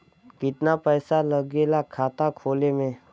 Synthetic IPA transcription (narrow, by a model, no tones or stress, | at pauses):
kɪt̪napɛːsaləɡeːlakʰaːt̪akʰoːlemẽ